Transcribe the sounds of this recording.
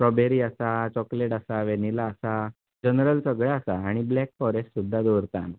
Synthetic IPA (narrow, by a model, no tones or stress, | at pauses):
pɾɔbʱeɾiːasat͡ɕɔkleʈəsaʋenilaːsa | d͡ʑənɾəlsəɡɭjaːsaaɽ̃iblɛkfɔɾessud̪ʱːad̪oɾt̪ãn